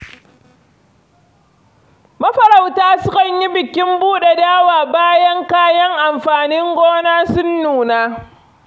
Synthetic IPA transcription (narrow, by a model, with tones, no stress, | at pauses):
mɐ˦ɸɐ˨ɾa˨wtaː˦sʊ˦kɐ˨ɲji˦bɪ˨kʲɪ˦mbuː˦ɗe˨daː˦waː˨baː˦jɐ˦ŋkaː˦jɐ˦ŋʔa˨mɸaː˨nɪ˦ŋɡʷoː˦naː˦sʊ˦nːuː˨naː˦